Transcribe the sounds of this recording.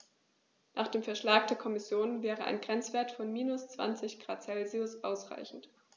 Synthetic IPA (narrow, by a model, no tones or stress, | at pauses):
naːχd̥eːmfɛɐʃlaːk̚d̥eːɐkʰɔmɪsjoːnvɛːʁəʔa̰ɪnɡʁɛnt͡sv̥eːɐtfɔnmiːnʊst͡sv̥a̰nt͡sɪçɡ̥ʁa̰ːtt͡sɛlziʊsʔaʊsʁ̥a̰ɪçn̩t